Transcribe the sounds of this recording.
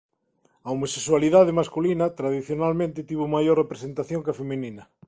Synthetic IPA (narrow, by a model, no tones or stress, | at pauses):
ɐomoseswaliðaðemaskulinɐt̪ɾaðiθjonalmẽnt̪ɪt̪iβomajorrepɾesent̪aθjoŋkɐfemininɐ